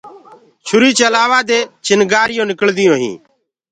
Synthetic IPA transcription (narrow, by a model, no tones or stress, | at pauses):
t͡ʃʰʊɾiːt͡ʃəlaːʋaːd̪eːt͡ʃɪnɡaːɾɪjõːnɪkəld̪ɪjõːɦḭ̃ː